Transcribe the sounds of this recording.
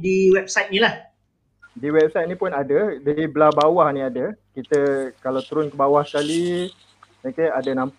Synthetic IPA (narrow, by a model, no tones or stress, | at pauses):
diwɛp̚sajt̪̚nĩlah | diwɛp̚sajt̪̚nĩpʊnadədaiblabawahniadəkit̪əkalawt̪uɾʊnkəbawahsə̥kali | mekeadənãmp